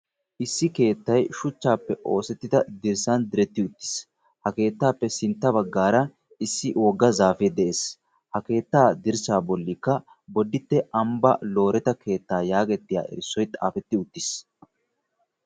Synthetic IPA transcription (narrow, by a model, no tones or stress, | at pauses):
ʔɪsːɪke̞ːt̪ːɐjʃʊt͡ʃːaːpːɛʔo̞ːsɛt̪ːɪd̪ɐd̪ɪɾsɐnd̪ɪɾɛt̪ːɪʊt̪ːɪ̥s | hɐke̞ːt̪ːaːpːɛsɪnt̪ːɐbɐɡːaːɾɐ | ɪsːɪwɔɡːɐzaːfɛd̪ɛʔeːs | hɐke̞ːt̪ːaːd̪ɪɾsaːbɔlːɪkːɐ | bɔd̪ːɪt̪ːɛʔɐmbɐ̰lo̞ːɾɛt̪ɐkʰe̞ːt̪ːaːjaːɡɛt̪ːɪja̰ːʔɛ̰ɾɪsːɔjt̪ʼa̰ːfɛt̪ːɪʊt̪ːɪs